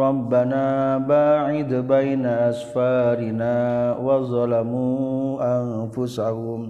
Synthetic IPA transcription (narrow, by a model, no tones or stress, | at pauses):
ɾɑbːanaːbaːʕɪd̪bajnaʔasfaːɾɪnaːwaðˤɑlamuːʔanfʊsahʊm